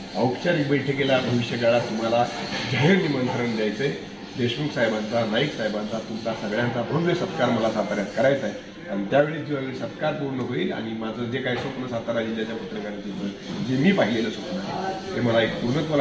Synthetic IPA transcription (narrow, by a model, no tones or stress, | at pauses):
əwkt͡ɕanibəjʈʰekelabʱəʋiɕjəd͡zaɭat̪ːum̤alad͡ʑəjənimənt̪ʰəɾəɳd̪jajt͡se | d̪eɕməksaɦjbant͡sanajiksaɦjbant͡sat̪umt͡sasəɡɭjãnt͡sabʱənʋəsət̪kaɾməlasat̪aɾjat̪kəɾajt͡saj | aɽ̃it̪jaʋeɭiːd̪iʋaʋeɭisət̪kaɾpuɽnəɦoiːla̰ɽ̃imad͡zʱəd͡zekaɦisopnəsat̪aɾad͡ʑid͡ʑat͡ɕjapət̪ɾəkanat͡ɕit̪ə | d͡ʑemiːpaɦileləːsopna̰t̪eməlaek̚puɾnət̪ʋə